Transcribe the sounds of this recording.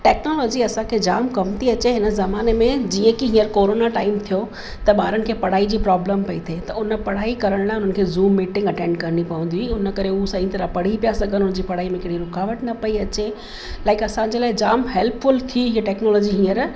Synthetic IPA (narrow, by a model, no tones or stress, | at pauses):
ʈɛːknoːlɔːd͡ʑiɐsãkʰed͡ʑaːmkɐmt̪ʰiɐt͡ɕeɦɪnə̆zɐmaːnemẽd͡ʑiːə̃kiɦĩːəɾkoːɾoːnaʈaːɪmt̪ʰijo | t̪ɐɓaːɾəɽɪ̆kʰeːpɐɽ̤aːid͡ʑiːpɾɔːbləmpɐit̪ʰet̪ɐʊnə̆pɐɽ̤aːikɐɾəɽ̃lãːʊn̤ənɪ̆kʰeːzuːmːiːʈɪ̃ŋɡɐʈẽːɳɖkɐɾnipɐũn̆d̪iʊnəkɐɾeʊɦsãːĩt̪ɐɾapɐɽ̤ipijasɐɡənɦʊn̆d͡ʑiːpɐɽ̤aːimẽɐkɪɽiɾʊkaːʋəʈnɐpɐiɐt͡ɕe | laːɪkɐsãd͡ʑeːlaːɪd͡ʑaːmɦɛlpfʊlt̪ʰiɦiʈɛːknoːlɔːd͡ʑiɦĩːəɾ